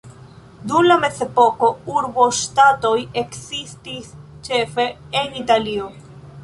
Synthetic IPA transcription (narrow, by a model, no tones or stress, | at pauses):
dumlame̞ze̞po̞ko̞uɾbo̞ʃtato̞je̞ksistist͡ʃe̞fe̞ | enitalio̞